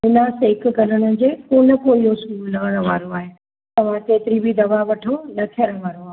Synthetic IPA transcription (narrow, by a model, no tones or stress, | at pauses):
ɪnaːsɦɪk̆ɡʱɐləɽ̃ə̆d͡ʑeːpoːnɐ̆koiɦoskuːllɐɡəɽ̃ə̃̆ʋa̰ːɾoaːɦe | t̪ɐʋ̤ãt̪eːt̪ɪɾibʱid̪ɐʋaʋɐʈʰonɐt̪ʰiəɽ̃ʋaːɾoaːɦ